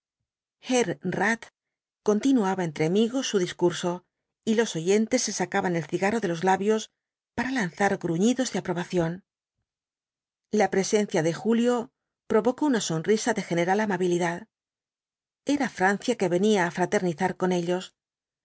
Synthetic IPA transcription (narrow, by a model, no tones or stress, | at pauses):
xeɾrat̪ | ko̞nt̪inuaβaent̪ɾe̞amiɣo̞sːuðiskuɾso̞ | ilo̞so̞ʝe̞nt̪e̞sːe̞sakaβane̞lθiɣaro̞ðe̞lo̞zlaβjo̞s | paɾalanθaɾɡɾuɲiðo̞zðeapɾo̞βaθjo̞n | lapɾe̞se̞nθjaðe̞xuljo̞ | pɾo̞βo̞kounaso̞nrisaðe̞xe̞ne̞ɾalamaβiliðað | e̞ɾafɾan̟θjake̞βe̞niaːfɾat̪e̞ɾniθaɾko̞ne̞ʎo̞s